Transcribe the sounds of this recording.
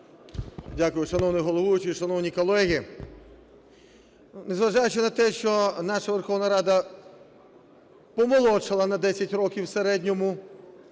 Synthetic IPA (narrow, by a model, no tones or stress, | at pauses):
dʲakʊjʊʃɐnɔwnɪɦɔlˠɔʋʊjʊt͡ʃɪjʃɐnɔwnʲikɔlˠɛɦi | nezʋɐʒɑjʊt͡ʃɪnɐt̪ɛʃt͡ʃɔnɑʃɐʋerxɔʋnɐɾɑd̪ɐ | pɔmɔlˠɔt͡ʃɪlˠɐnɐd̪ɛsʲɐtʲrɔkʲiwseɾɛdʲnʲɔmʊ